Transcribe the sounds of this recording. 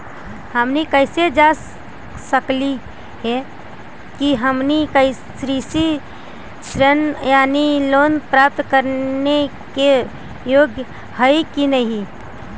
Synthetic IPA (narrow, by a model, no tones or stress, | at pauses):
həmnikəɪsed͡ʒas | səkli | ɦɛ | kiɦəmnikəɪ | sɾisi | t͡ʃɾənjaːniloːnpɾap̚t̪kəɾne | ke | joːɡjə | həikinəɦĩ